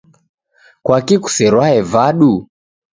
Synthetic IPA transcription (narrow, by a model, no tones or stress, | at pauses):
kwakiku̥sɛɾwaɛvaɗu